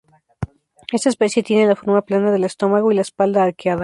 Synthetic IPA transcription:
est̪aespesjet̪jenelafo̞ɾmaplanaðe̞lest̪o̞maɣoilaespald̪aːɾkeaða

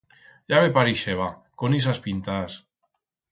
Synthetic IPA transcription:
ʎaβepaɾiʃeβakonisaspint̪as

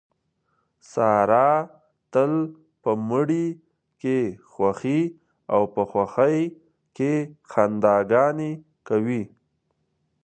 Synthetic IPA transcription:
sɑɾɑ | t̪əl | pəməɽi | kexwaxi | awpəxwaxaj | kexand̪ɑɡɑne | kawi

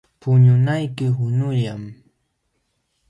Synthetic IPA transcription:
pʊɲʊnajkɪhʊnʊʎam

